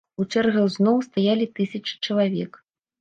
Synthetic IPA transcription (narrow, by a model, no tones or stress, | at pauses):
ut͡ʂɛrɣɐwznɔwst̪ajalʲit̪ɨsʲɐt͡ʂɨ̥t͡ʂɐlˠavʲɛk